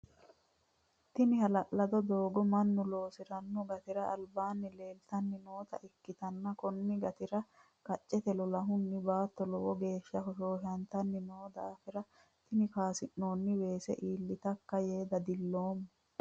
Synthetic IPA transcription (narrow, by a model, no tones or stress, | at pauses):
t̪ɪnɪhɐlɐʔlɐd̪ɔd̪oːɡɔmɐnːʊlo̞ːsɪɾɐnːɔɡɐt̪ɪɾɐːlbaːnːɪle̞ːlt̪ɐnːɪnoːt̪ɐ̰ʔɪkːɪt̪ɐnːɐkɔnːɪɡɐt̪ɪɾɐ | kɐt͡ʃʼːɛt̪ɛlɔlɐɦʊnːɪbaːt̪ːɔlɔwɔɡe̞ːʃːɐhɔʃoːhɪɐnt̪ɐnːɪnoːd̪aːfɪɾɐ | t̪ɪnɪkaːsɪnːo̞ːnːɪwe̞ːsɛ̰ʔiːlːɪt̪ɐkːɐje̞ːd̪ɐd̪ɪlːo̞ːmː